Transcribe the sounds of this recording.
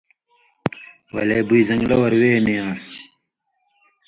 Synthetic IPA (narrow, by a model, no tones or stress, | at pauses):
wɐ̰leːbuizɐŋɡlɐwɐɾweːmeãːs